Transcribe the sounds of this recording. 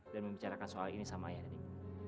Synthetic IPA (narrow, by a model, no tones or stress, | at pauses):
danməmbit͡ʃaɾakansoalinisamaːjadadi